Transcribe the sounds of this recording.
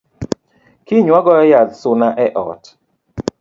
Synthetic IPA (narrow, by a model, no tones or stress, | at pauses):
kiɲwaɡɔjad̪sʊnaʔɛʔɔ̰t